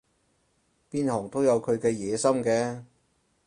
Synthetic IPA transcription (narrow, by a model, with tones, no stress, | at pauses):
piː˥nhɔː˨˩ŋt̪o˥wjɐ˨˧wkʰɵ˨˧ɥkɛː˧jɛː˨˧sɐ˥mkɛː˧